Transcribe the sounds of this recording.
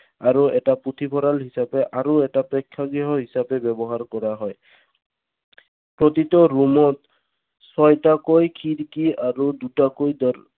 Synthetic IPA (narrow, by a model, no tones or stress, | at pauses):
aɹuɛʈaput̪ʰipʰɔɾalɦisapɛʔaɹuɛtapɹɔkʰːaɡiɦɔɦisapɛbɛbɔɦaɹkɔɹaɦɔj | pɹɔt̪itɔɹumɔt̪ | sɔjtakojkʰiɾkiaɹud̪utakojdɔ